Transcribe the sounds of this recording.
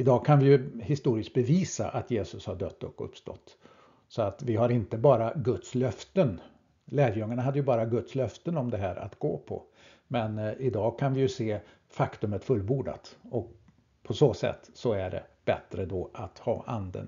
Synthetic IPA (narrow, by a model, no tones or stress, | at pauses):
ɪd̪ɑːkʰanvɪjɵhɪst̪uːɾɪskt̪̚bɛviːsa̰ʔat̪jeːsɵshaɖœ̰t̪ːɔ̰kːɔɵ̰pːst̪ɔ̰t̪ː | sɔat̪vɪɦaɾɪnt̪əbɑːɾaɡɵt̪slœft̪ən | læːɾjɵŋːaɳaɦad̪ːəjɵbɑːɾaɡɵt̪slœft̪ənɔmd̪ɛɦæːɾa̰t̪ɡ̥o̰ːpʰɔ̰ | mɛnɪd̪ɑːkʰanvɪjɵseː | fakt̪ɵmət̪fɵlbuːɖa̰t̪ɔk̚ | pʰɔsoːsɛ̰t̪ːsɔæɖɛ̰b̥ɛt̪ɾəd̪ɔʔat̪hɑ̰ːʔand̪ə̰n